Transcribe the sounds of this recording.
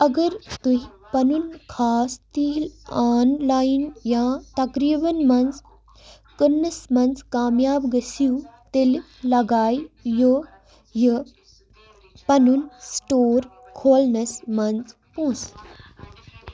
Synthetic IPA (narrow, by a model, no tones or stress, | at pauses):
ɐɡɐɾt̪uɦi | pɐnunkʰaːst̪iːlaːnlaːjinjãːt̪ɐkɾiːbɐnmɐnz | kəɾnɐsmɐnzkaːmjaːbɡɐsiut̪el | lɐɡaːjjo | jə | pɐnunsʈoːɾ | kʰoːlnɐsmɐnz | põːs